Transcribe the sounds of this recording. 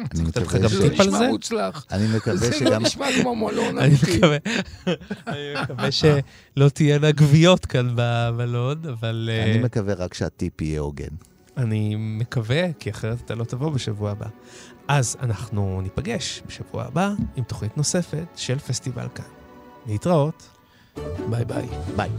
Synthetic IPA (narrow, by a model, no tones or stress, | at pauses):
nit̪etχaɡamt̪ipalzeut͡slaχanimekavɡmʃmamomolonanimekave | animekaveʃe̞ | lo̞tijenaɡvijo̞tkanbabalo̞davalnimekaveʁakʃeatipijeoɡḛn | animekavekiaχeʁetat̪alo̞tavo̞beʃavuaːba̰ | ʔaza̰naχnunipaɡe̞ʃbeʃavua̰ːbaimto̞χnitno̞se̞fe̞tʃe̞lfestiva̰lkanleitʁao̞t | bajbajbaj